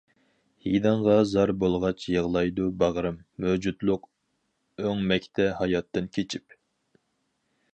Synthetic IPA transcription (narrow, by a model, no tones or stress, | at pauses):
hid̪ɑɴʁɑzɑɾbolˠʁɑt͡ʃʰjəʁlˠɑjd̪ubɑʁɾɨmːød͡ʒut̪lˠʊq | øŋmɛkʲt̪ʰɛhɑjɑt̪ːɨnkʲʰet͡ʃʰip